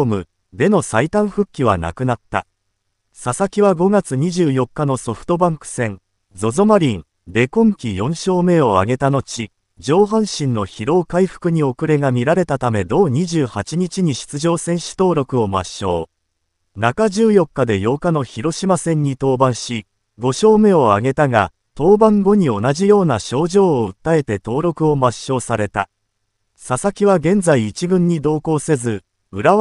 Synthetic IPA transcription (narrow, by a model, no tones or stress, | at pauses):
mɯ̟ | d̪e̞no̞sait̪ãɰ̃ɸɯ̟kʲːiβ̞a̰na̰kɯ̟nat̪ːa̰ | sasakʲiβaɡo̞ɡat͡sɨɲ̟iʑɨːjo̞kːano̞so̞ɸɯ̟̥t̪o̞bãŋkɯ̟̥sẽ̞n | d͡zo̞zomaɾʲĩn | d̪e̞kõ̞ŋkʲijõ̞ɰ̃ɕo̞ːme̞o̞a̰ɡe̞t̪ano̞t͡ɕi | d͡ʑo̞ːɦãɰ̃ɕĩnːo̞çiɾo̞ːkaiɸɯ̟̥kɯ̟ɲ̟io̞kɯ̟ɾe̞ɡamʲiɾaɾe̞t̪at̪ame̞d̪o̞ːɲ̟iʑɨːhat͡ɕiɲ̟it͡ɕiɲ̟iɕi̥t͡sɨʑo̞ːsẽ̞ɰ̃ɕi̥t̪o̞ːɾo̞kɯ̟o̞ma̰ɕo̞̰ː | nakaʑɨːjo̞kːad̪e̞jo̞ːkano̞çiɾo̞ɕimasẽ̞ɲ̟ːit̪o̞ːbãɰ̃ɕi | ɡo̞ɕo̞ːme̞o̞a̰ɡe̞t̪aɡa̰ | t̪o̞ːbãŋɡo̞ɲ̟io̞naʑijo̞ːnaɕo̞ːʑo̞ːɯ̟t̪ːae̞t̪e̞t̪o̞ːɾo̞kɯ̟o̞maɕːo̞ːsaɾe̞t̪a̰ | sasakʲiβaɡẽ̞nd͡zaiːt͡ɕibɯ̟̃ɲ̟ːid̪o̞ːko̞ːse̞zɨ | ɯ̟ɾa